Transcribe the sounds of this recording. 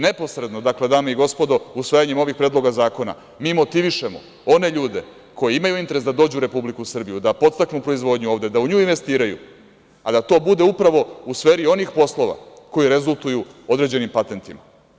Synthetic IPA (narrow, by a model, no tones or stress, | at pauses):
ne̞po̞sɾe̞d̪no̞d̪akle̞d̪aːmeiɡo̞spo̞d̪o̞usʋajaɲemo̞ʋixpɾeːd̪lˠo̞ɡazaːko̞na̰ | miːmo̞t̪iʋiʃemo̞̰ | o̞ne̞ʎuːd̪e̞̰ | ko̞jiimajuint̪e̞ɾe̞sd̪ad̪o̞ːd͡ʑuːɾe̞publikusr̩bijud̪apo̞t̪st̪aknupɾo̞izʋo̞d̪ɲuo̞ːvd̪e̞d̪auɲuːinʋe̞st̪iːɾajṵ | ad̪at̪o̞ːbud̪e̞upɾaʋo̞usfeːɾio̞nixpo̞slˠo̞ʋa̰ko̞jiɾe̞zulˠt̪ujuo̞d̪ɾe̞d͡ʑe̞nimpat̪e̞nt̪ima